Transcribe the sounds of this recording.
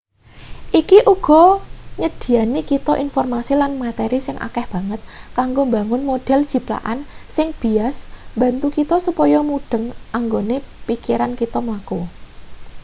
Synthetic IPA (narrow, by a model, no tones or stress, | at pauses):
ʔikiʔuɡ̥ɔ̤ɲəd̪̥i̤anikit̪ɔʔinfɔrmasilanmat̪ɛɾisɪŋʔa̰kɛhb̥ä̤ŋət̪̚kaŋɡombaŋʊnmoɖ̥ɛ̤ld̥ʒ̥i̤pla̰ʔansɪŋb̥i̤asmba̤nt̪ukit̪ɔsupɔjɔmuɖ̥ə̤ŋʔaŋɡonepikiɾankit̪ɔmlako